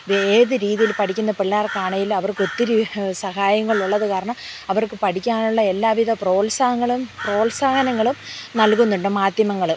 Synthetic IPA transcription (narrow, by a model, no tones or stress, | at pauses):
eːðɨɾiːðijilpɐʈʰikʲːunːɐpiɭːaːrkaːɳɐjilɐʋɐrko̞t̪ːiɾisɐhaːjɐŋːɐɭuɭːɐðɨkaːɾɐɳɐmɐʋɐrkɨpɐʈʰikʲːaːnuɭːɐe̞lːaːʋiðɐpro̞ːlsaːɦɐŋːɐɭumpro̞ːlsaːɡɐnɐŋːɐɭumnɐlkunːuɳɖɨmaːd̪jɐmɐŋːɐɭu